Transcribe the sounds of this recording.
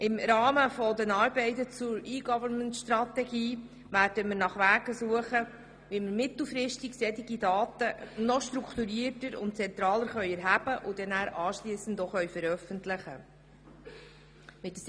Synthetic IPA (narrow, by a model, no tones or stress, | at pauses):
ʔɪmɾɑːməfɔd̪ɛnɑːɾbɛɪtət͡sʊɾiːɡɑvəɾnməntʃtɾɑtɛɡiː | ʋæːɾd̥əmɪɾnɑχʋæːɡəsuəχə | ʋimɪɾmɪtl̩ˠfɾɪʃtiɡsɛtiɡidɑːtənɔʃtɾukʰt̪uɾiːətəɾʊ̰nt̚t͡sɛnt̪ɾɑːləɾχœʏɥɛɾɦæbəʔʊd̥ɛnæːɾɑːʃliːsəndoχœɥfəɾœfəntlɪχə | mɪt̚ːə